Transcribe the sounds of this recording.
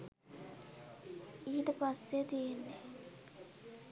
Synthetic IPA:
iɦiʈəpasːet̪ijenːe

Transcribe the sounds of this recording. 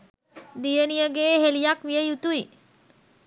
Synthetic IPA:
d̪ijənijəɡeːɦelijakʋijəjut̪ui

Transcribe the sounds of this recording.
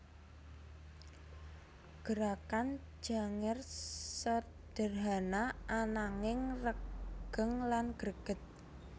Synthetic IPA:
ɡ̥əɾakan̥ | d͡ʒ̥a̤ŋɪrsə | d̪̥ə̤rɦanaʔanaŋɪŋrəɡ̥əŋlanɡ̥əɾɡ̥ə̤t̪̚

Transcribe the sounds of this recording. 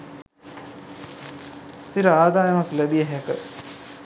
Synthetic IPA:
st̪iɾəaːd̪aːjɐmɐklæbijəɦɛkə

